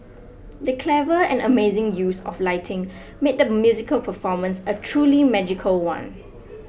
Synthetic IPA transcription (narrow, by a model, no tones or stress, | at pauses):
dəkʰlɛvəɛ̰̃nəmezɪ̃ŋjusɔ̰flaɪtʰɪ̃ŋ | met̚dəmjuzikəlpʰəfɔmə̃nsətʰɹuːlimɛd͡ʒikʰəlwã̰n